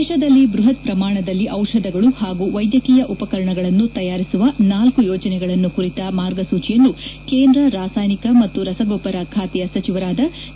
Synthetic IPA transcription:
d̪ːʃɐd̪ɐlːibɾuɦɐt̪̚pɾɐmaːɳɐd̪ɐlːiʔɐwʂɐd̪ɐɡɐɭuhaːɡuːʋɐjd̪jɐkiːjɐʔupɐkɐɾɐɳɐɡɐɭɐnːut̪ɐjaːɾisuʋɐnaːlkujɔːd͡ʒɐnɛɡɐɭɐnːukuɾit̪ɐmaːɾɡɐsuːt͡ʃijɐnːukeːnd̪ɾɐɾaːsaːjnikɐmɐt̪ːuɾɐsɐɡoːpɐɾɐkʰaːt̪ɛjɐsɐt͡ʃiʋɐɾaːd̪ɐ

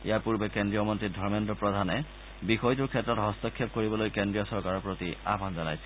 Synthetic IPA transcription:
ḭjapuɹbɛkendɹijɔmɔntɹidʱɔɹmendɔpɹɔdʱanɛ | bixɔjtuɹkʰɛtɹɔtɦɔstɔkʰːjɔp̚koɹibɔlojkendɹijɔsɔɹkaɹɔpɹotia̰bʱanzala̰jsɛ̥

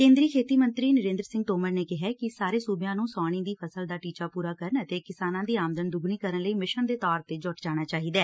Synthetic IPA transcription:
kẽːnd̪ɾiːkʰeːt̪iːmənt̪ɾiːnəɾẽːnd̪ɾəsɪ̃ŋɡt̪oːməɾneːkɪɦɛːkɪsaːɾeːsuːbjãːnũːsaːɽ̃ĩːd̪iːpʰəsəld̪aːʈiːt͡ʃaːpuːɾaːkəɾənət̪eːkɪsaːnãːd̪iːaːmd̪ənd̪ʊɡniːkəɾənləiːmɪʃənd̪eːt̪ɔːɾt̪eːd͡ʒɔːʈd͡ʒaːɽ̃aːt͡ʃaːɦiːd̪ɛː

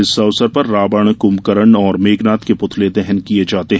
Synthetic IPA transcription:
ɪsɐʋsəɾpɐɾːaːbəɽ̃kʊmkəɾəɳɔːɾmeːɡnaːt̪kepʊt̪ʰled̪ɛɦɛnkied͡ʒaːt̪eɦ

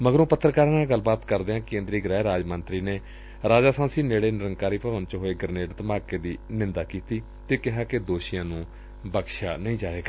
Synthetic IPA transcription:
məɡəɾũːpət̪ːɾəkaːɾaːnaːɡəlːbaːt̪kəɾd̪eːãːkẽːnd̪ɾiːɡɾɛːeɾaːd͡ʒmənt̪ɾiːneː | ɾaːd͡ʒaːsãːsiːneːɽeːnɪɾəŋɡkaːɾiːpɾəʋənt͡ʃɦoːeːɡəɾneːʈt̪əmaːkeːd̪iːnɪnd̪aːkiːt̪iː | t̪eːkɪɦaːkɪd̪oːʃɪjãːnũː | bəkʃaːnəĩːd͡ʒaːʋeːɡa

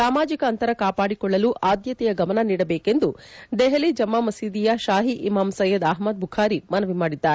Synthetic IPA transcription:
saːmaːd͡ʒikɐɐnt̪ɐɾɐkaːpaːɽikɔɭːɐluʔaːd̪jɐt̪ɛjɐɡɐmɐnɐniːɽɐbeːke̞nd̪ud̪ɛɦɐlid͡ʒɐmːamɐsiːd̪ijɐʃaːɦiʔimaːmsɐjːɐd̪aɦmɐd̪̚bʱukʰaːɾimɐnɐʋimaːɽid̪ːaːɾe

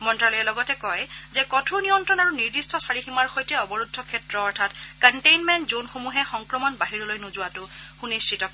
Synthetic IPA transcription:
mɔntɹalɔjɛlɔɡɔtɛkɔjzɛkɔtʰuɹnijɔntɹɔnaɹuniɹdistʰɔsaɹiximaɹxojtɛɔbɔɹudʱːɔkʰɛtɹɔːɹtʰatkanʈejnmɛntzonxomuɦɛxɔŋkɹɔmɔnbaɦiɹɔlojnuzʊwatʊxunist͡ʃʰitɔk

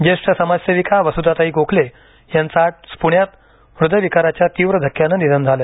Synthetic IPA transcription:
d͡ʑeʂʈəsəmasjəʋikaʋəsud̪ʱat̪aɦiːkokʰle | jãnt͡saʈ̚spuɳjat̪ | ʋɾud̪əjʋikaɾat͡ɕjat̪iʋɾəd̪ʱəkːjanənid̪ʱənd͡zʱale

